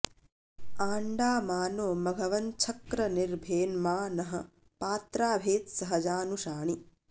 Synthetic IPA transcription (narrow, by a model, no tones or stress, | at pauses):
aːɳɖaːmaːnoːmɐɡʱɐʋɐnt͡ʃʰɐkɾɐniɾbʱeːnmaːnɐɦɐ | paːt̪ɾaːbʱeːt̪sɐɦɐd͡ʒaːnuʃaːɳi